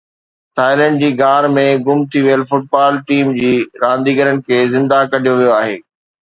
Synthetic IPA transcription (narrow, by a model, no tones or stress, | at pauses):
ʈʰaːɪlə̃ɳɖ̚d͡ʑiːɡaːɾmẽɡʊmt̪ʰiʋijəlfʊʈ̚baːlʈiːmd͡ʑiːɾãːnd̪iːɡəɾənɪ̆kʰeːzɪ̃nd̪akɐɗ̤ʱijoʋijoaːɦḛː